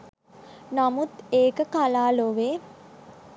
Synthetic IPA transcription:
namut̪eːkəkalaːloʋe

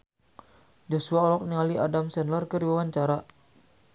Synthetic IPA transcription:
d͡ʒosuaɔlɔk̚niŋaliʔadamsɛnlərkəɾiwawaɲt͡ʃaɾa

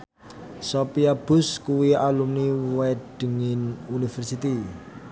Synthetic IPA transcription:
sopiab̥ʊ̤skuwialumniwɛɖ̥ə̤ŋɪnunifɛrsit̪i

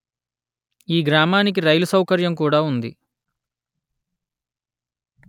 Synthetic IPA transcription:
iːɡɾaːmaːnik̬iɾɐjlusɐwkɐɾjɐmkuːɽaːund̪ḭ

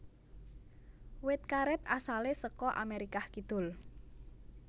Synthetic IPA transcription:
wɪt̪̚kaɾɪt̪asalesəkɔʔa̰meɾikahkid̪̥ʊ̤l

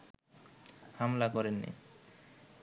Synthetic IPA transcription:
hamlakɔɾenːḭ

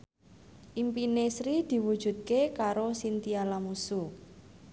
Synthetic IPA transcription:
ʔimpinesɾid̪̥i̤wud̥ʒ̥ṳt̪̚kekaɾosint̪ialamusu

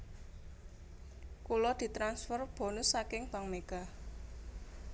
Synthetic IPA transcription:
kulɔd̪̥i̤t̪ɾansfɔrb̥o̤nʊsːakɪŋb̥a̤ŋmeɡ̥a̤

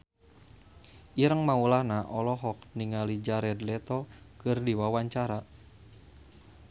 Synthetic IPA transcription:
iɾəŋmaulahnaʔɔlɔɦɔk̚niŋalid͡ʒaɾɛdlɛt̪ɔkɨrdiwawaɲt͡ʃaɾa

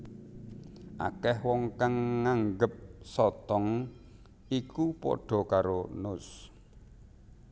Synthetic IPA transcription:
ʔa̰kɛhwɔŋkaŋːaŋɡəp̚sɔt̪ɔŋ | ikupɔ̰ɖ̥ɔ̤kaɾonʊs

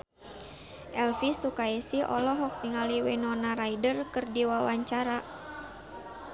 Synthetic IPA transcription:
ʔɛlfisukaɛsiʔɔ̰lɔɦɔk̚t̪iŋaliwenɔnaɾaidərkɨrdiwawaɲt͡ʃaɾa

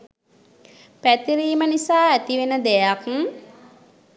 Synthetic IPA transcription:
pæt̪iɾiːmənisaːæt̪iʋenəd̪ejak

